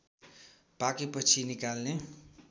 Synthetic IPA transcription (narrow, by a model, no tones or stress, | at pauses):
pakepʌt͡sʰinikalne